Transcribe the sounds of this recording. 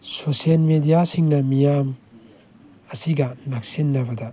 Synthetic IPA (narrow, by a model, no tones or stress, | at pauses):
sosielmedijasiŋnɐmijam | ɐsiɡɐnak̚sinːɐbɐdɐ